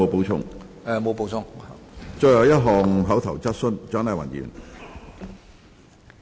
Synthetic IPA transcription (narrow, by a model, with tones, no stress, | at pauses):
o˨˧wpo˨˧wt͡sʰʊ̰˧˥ŋ | ɛ˨mo˨˧wpo˨˧wt͡sʰʊ˧ŋha˨t͡ʃɔ˧jɐ˨˧wjɐ˥t̚ɦɔː˨ŋɦɐ˨˥wt̪ʰɐ˨˩wt͡sɐ˥t̚sɵ˥nt͡ʃœː˨˥nɐː˨˩wɐ̰˨˩njy̰ː˨˩n